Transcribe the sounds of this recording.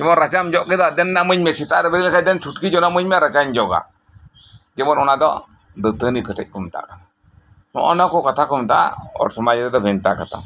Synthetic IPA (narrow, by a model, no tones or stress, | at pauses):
d͡ʒɛmɔɾat͡ʃamd͡ʒɔʔkɪdadɛnːamuɲmɛsitaɾɛbɛɾikadɛntutkid͡ʒɔnamuɲmɛɾat͡ʃaɲd͡ʒɔɡa̰ | ɡɛmɔnɔnadɔ̰ | dətənikətɪ̰c̚kumta̰kan | nɔ̰ʔɔ̰nakɔkatakʊmta̰ɔ̰ɾsumad͡ʒiɾɛdɔbɛnta̰kata̰